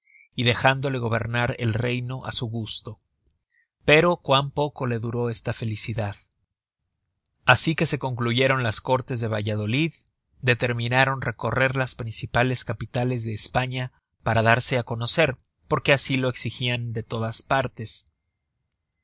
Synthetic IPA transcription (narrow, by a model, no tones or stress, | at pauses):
iðe̞xand̪o̞le̞ɣ̞o̞β̞e̞̰ɾnaɾe̞̰lre̞jno̞ʔa̰suɣust̪o̞ | pe̞ɾo̞kwampo̞ko̞le̞ðuɾo̞e̞st̪afe̞lisiðað | asike̞se̞ko̞ŋkluʝe̞ɾo̞nlasko̞ɾt̪e̞zðe̞β̞aʝaðo̞lið | d̪e̞t̪e̞ɾmĩnaɾo̞nre̞ko̞re̞ɾlaspɾinsipale̞skapit̪ale̞zðe̞ːspaɲa | paɾaðaɾse̞ako̞no̞se̞ɾ | po̞ɾke̞asilo̞e̞ksixiand̪e̞t̪o̞ðaspaɾt̪e̞s